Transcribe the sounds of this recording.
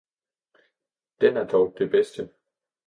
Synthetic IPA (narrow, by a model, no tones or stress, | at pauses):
d̥enæɐd̥ɒʊd̥e̝b̥esd̥ə